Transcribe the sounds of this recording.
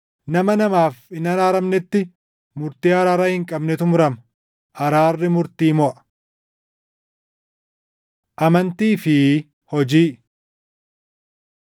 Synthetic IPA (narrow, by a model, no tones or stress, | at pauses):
nɐmɐnɐmaːfɪnɐɾaːɾɐmnɪt̪ːɪ | mʊɾt̪iːɐɾaːɾaːhɪŋkʼɐbnɛt̪ʊmʊɾɐmɐ | ʔɐɾaːrːɪmʊɾt̪iːmɔʔɐ̥ | ʔɐmɐnt̪iːfɪ | hɔd͡ʒiː